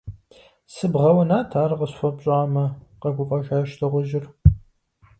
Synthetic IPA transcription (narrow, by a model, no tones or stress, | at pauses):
sɨbʁɐwɐnaːtʰaːɾɐqəɕfʷɐpɕʼaːmɐqɐɡʷʊfʼɐʃaːʃtʰɨʁʷʊʒɪr